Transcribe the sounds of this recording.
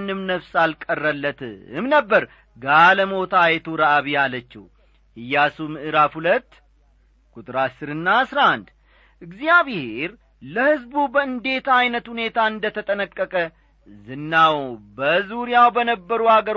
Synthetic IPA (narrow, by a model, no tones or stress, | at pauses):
nɨmnəfsalkʼərːəlːət̪ʰɨɨ̰mnəbːəɾ | ɡaləmo̞t̪ʰajɛt̪ʰuɾaʔaβijalət͡ʃːɛ̰h | hɨjːasumɨʔɨɾafhulət̪ː | kʼut̪ʼɾasɨɾɨnːaːsɾand̪ | ʔɨɡziaβheɾ | ləhɨzbubəɨnd̪e̞t̪ajnət̪hune̞t̪ʰaɨnd̪ət̪ʰət̪ʼənəkʼːəkʼə | zɨnːawbəzuɾijawbənəbːəɾuhaɡəɾ